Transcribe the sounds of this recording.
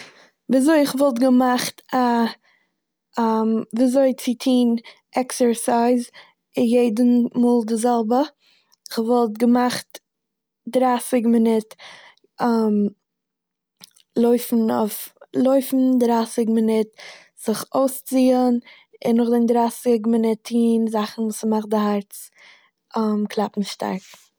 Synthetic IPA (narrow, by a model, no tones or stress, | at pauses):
viːazoɪɪχvɔlˠt̬ɡəmaχta | amviːazoɪt͡sɪtʰiːn | ɛksəɹsaɪz | ɪnjeɪdən̩muːlˠdɪzɛlˠbə | ɪχvɔlˠtɡəmaχt | dɾaːsɪɡmɪnɪt | am | lˠoɪfn̩o̰flˠoɪfn̩dɾaːsɪɡmɪnɪt | z̥ɪχoʊst͡siːən | ɪnːʊχdɪndɾaːsɪɡmɪnɪtʰiːnzaχn̩vuːsəmaχt̚dɪhaɾt͡s | amkʰlˠapm̩ʃta̰ɪf